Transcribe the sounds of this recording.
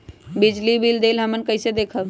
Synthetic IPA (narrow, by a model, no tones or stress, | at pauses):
bid͡ʒlibild̪eːlɦəmənkəɪsed̪eːkʰə